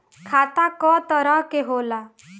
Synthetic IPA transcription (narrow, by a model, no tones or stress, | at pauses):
kʰat̪akɔt̪ɔɾʌɦkeɦola